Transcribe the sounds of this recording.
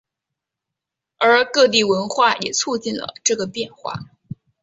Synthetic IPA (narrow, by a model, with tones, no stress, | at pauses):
ə˞˧˥kɤ˥˧t̪̬i˥˩wə˧˥nxwa˥˩jɛ̰˨˩t͡sʰu˥˧t͡ɕi˥˩nlə̰˩ʈ͡ʂɤ˥˩ɡə˩pjɛ˥˧nxwa̰˥˩